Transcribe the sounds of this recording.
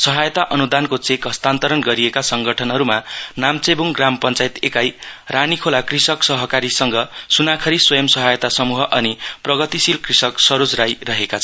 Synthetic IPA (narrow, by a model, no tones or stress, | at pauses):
sʌɦajʌt̪aʔʌnud̪ankot͡sekɦʌst̪ant̪ʌɾʌnɡʌɾiekasʌŋɡʌʈʰʌnɦʌɾumanamt͡sebuŋɡrampʌnt͡sajt̪ekajranikʰolakrisʌksʌɦʌkaɾisʌŋɡʌsunakʰʌɾiswʌjʌmsʌɦajʌt̪asʌmuɦʌʔʌniprʌɡʌt̪isilkrisʌksʌɾod͡zɾajrʌɦekat͡sʰʌn